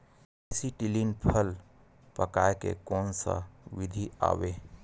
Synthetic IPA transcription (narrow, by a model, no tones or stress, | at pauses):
siʈilinpʰəl | pəkaekḛkɔnsə̰ʋid̪ʱia̰ːwe